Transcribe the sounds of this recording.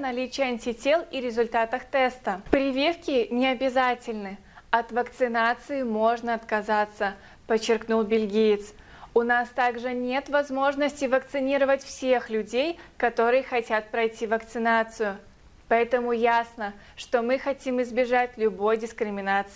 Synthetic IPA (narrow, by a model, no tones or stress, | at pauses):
nɐlʲit͡ɕɪjəɐnʲtʲɪtʲelˠiɾʲɪzʊlʲt̪at̪əxt̪ɛst̪əpɾʲɪvʲifkʲɪnʲɪɐbʲɪzatʲɪlʲnɨ | ɐt̪vəkt̪sɨnat̪sɨɪmo̞ʐnəɐt̪kɐzat̪sə | pət͡ɕːɪrknulˠbʲɪlʲɡʲijɪt̪s | ʊnast̪aɡʐɨnʲe̞t̪vɐzmo̞ʐnəsʲtʲɪvəkt̪sɨnʲiɾəvətʲfsʲexlʲʉdʲejkɐt̪o̞ɾɨjəxɐtʲat̪̚pɾɐjtʲivəkt̪sɨnat̪sɨjʊ | pɐɛt̪əmʊjasnə | ʂt̪o̞mɨxɐtʲimɨzbʲɪʐatʲlʲʊbo̞jdʲɪskɾʲɪmʲɪnat̪sɨ